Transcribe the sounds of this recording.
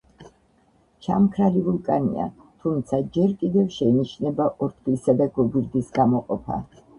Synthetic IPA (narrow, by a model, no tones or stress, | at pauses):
t͡ʃʰa̰mkʰɾalivulˠkʼanḭa̰ | t̪ʰumt̪sʰad͡ʒɛɾkʼid̪ɛvʃɛiniʃnɛbaʔɔɾt̪ʰχlisad̪aɡɔɡiɾd̪isɡamɔqʼɔpʰa̰